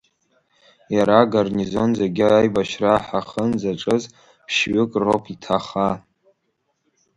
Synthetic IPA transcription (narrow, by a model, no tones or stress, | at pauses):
jaɾaɡarnizo̞nzeɡʲɪajbaʃraħaχənzaʈ͡ʂʼɨz | pʰʃɥʏkʼropʰitʰaχa